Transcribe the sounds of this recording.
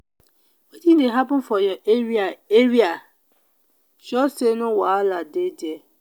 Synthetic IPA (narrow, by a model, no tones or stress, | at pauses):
wedindeɦapʊ̃n̩fɔjɛʔeaeɾia | ʃɔsenʊ̃waaladediɛ